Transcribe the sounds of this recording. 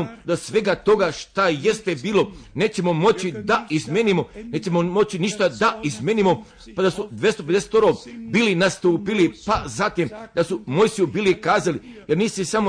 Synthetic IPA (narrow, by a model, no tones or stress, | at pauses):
ud̪osʋe̞ɡat̪o̞ɡaʃt̪aje̞st̪e̞biːlo̞ne̞ːt͡ɕe̞mo̞mo̞t͡ɕid̪aizmʲjeːnimone̞ːt͡ʃe̞momo̞t͡ɕiniʃt̪ad̪aizmʲjeːnimo̞ | pad̪asud̪ʋʲje̞st̪ope̞d̪ese̥t̪oɾobiːlinast̪uːpilipazat̪imd̪asumo̞jsiubiːlikaːzalijeɾniːsisamo